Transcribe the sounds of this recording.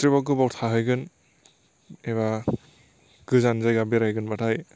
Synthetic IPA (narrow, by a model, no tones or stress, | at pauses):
tɾibakɯbawtʰaɦɯjɡɯn | eβa | ɡ̥ɯzanzajɡabiɾajɡɯnbatʰaj